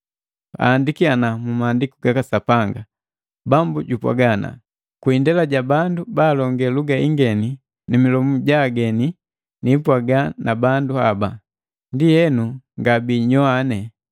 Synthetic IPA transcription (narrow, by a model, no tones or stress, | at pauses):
a̰ːndikianamumaːndikuɡakasapaŋɡa | bambuɟupwa̰ɡana̰ | kwindɛlaɟabandubaːlɔŋɡɛluɡaiŋɡɛni | nimilɔmuɟaɡɛni | nipwaɡanabanduaba | ndijɛnuŋɡabiːɲɔanɛ